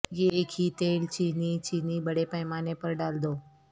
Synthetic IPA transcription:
jeeːkʰiːt̪eːlt͡ʃiːniːt͡ʃiːniːbəɽepəɦɪmaːnepəɾɖaːld̪oː

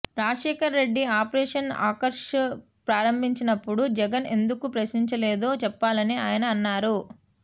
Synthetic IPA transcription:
ɾaːʂɛːkɐɾːe̞ɖːiaːpɾɛːʂɐna̰ːkɐɾʂ | pɾaːɾɐmbʱiɲt͡ʃinɐpːuɽud͡ʒɛɡɐne̞̰nd̪ukupɾɐʃniɲt͡ʃɐleːd̪o̞ːt͡ʃɛpːaːlɐniaːjɐnɐːnːaːɾu

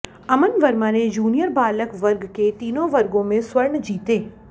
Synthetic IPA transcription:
ɐmənʋəɾmãːned͡ʒuːnijəɾbaːləkʋɐɾɡket̪iːnõʋɐɾɡõmẽsʋɐɾɳd͡ʒiːt̪eː

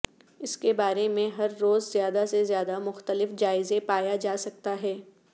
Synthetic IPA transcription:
ɪskebaːɾemẽɦɐɾːoːzzjaːd̪asezjaːd̪amʊxt̪əlɪfd͡ʒaːɪzẽpaːjad͡ʒaːsɐk̚t̪aɦɛː

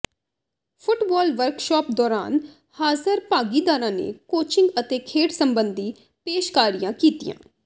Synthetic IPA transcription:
pʰʊʈbɔːlʋəɾkʃɔːp̚d̪ɔːɾa̰ːn | haːzəɾpaːɡiːd̪aːɾãːnḛːkoːt͡ʃɪ̃ŋɡət̪eːkʰeːʈsəmbənd̪iː | peːʃkaːɾijãːkiːt̪ḭjã̰ː

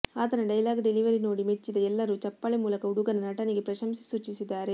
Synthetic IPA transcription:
aːt̪ɐnɐɖɐjlaːɡɖeliʋɐɾino̞ːɽimet͡ʃːid̪ɐɛlːɐɾuːt͡ʃɐpːɐɭemuːlɐkɐuɽuɡɐnɐnɐʈɐniɡe̞pɾɐʃɐmsi̥suːt͡ʃisid̪ːaːɾe

